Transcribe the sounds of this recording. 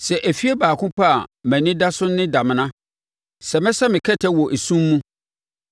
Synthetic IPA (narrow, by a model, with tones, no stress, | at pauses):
sɛ˨ʔæ˨fi˦e˦baː˨kʰʊ̃˦pʰa˦a˨mæ̃˨nɪ̃˦da˦sʊ˦nːɪ̃˦da˨mɪ̃˨nã˦ | sɛ˨mɛ̃˦sa˦mɪ̃˨kʰɛ˦tʰɛ˦wɔ˨ʔe˨sũ˦mːũ˦